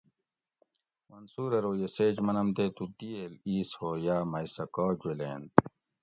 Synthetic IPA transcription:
mɐnsuːɾɐɾoːjeseːd͡ʑmɐnɐmt̪et̪ut̪iːeliːshoːjaːmɐjsɐkoːd͡ʑweleːnt̪

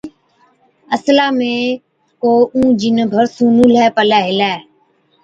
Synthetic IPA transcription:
əslaːmẽː | koːʔũːd͡ʒɪnbʱəɾsũːnũːlɛːpəlɛːɦɪlɛː

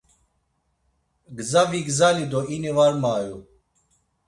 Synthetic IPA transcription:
ɡzaviɡzalid̪ɔinivaɾmaːju

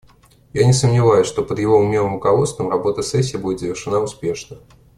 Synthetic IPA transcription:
janʲɪsəmnʲɪvajʊsʲʂt̪o̞pəd̪jɪvoʊmnʲemˠɨmʊkɐvo̞t̪st̪vəmrɐbo̞t̪əsɛsʲːiːbudʲɪt̪zəvʲɪrʂɨnaʊspʲe̞ʂnə

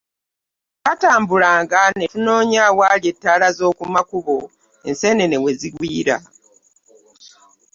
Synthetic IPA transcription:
kataːmbulaːŋɡane̞tuno̞ːɲawalje̞tːaːlazo̞ːkumakuβo̞ | ense̞ne̞ne̞we̞ziɡwiːɾa

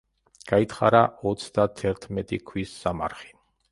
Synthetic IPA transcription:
ɡ̥ait̪χa̰ɾaɔt̪sʰd̪at̪ʰɛɾt̪ʰmɛt̪ʼikʰwisːamaɾχi̥

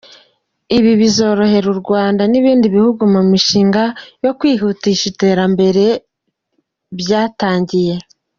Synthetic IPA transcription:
iβiβizo̞ɾo̞he̞ɾuɾɡwaːndaniβiːndiβihuɡumumiʃiːŋɡajo̞kwiːɦutiʃite̞ːɾambe̞ɾe̞ | βjaːtaːɲɟije̞

